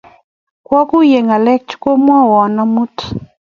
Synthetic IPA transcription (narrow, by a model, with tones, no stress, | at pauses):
kwɔ˦ku˦je˨ŋa˨lɛ˦k̚t͡ʃko˦mwɔ˦wɔ˨nɔ˦mu˦t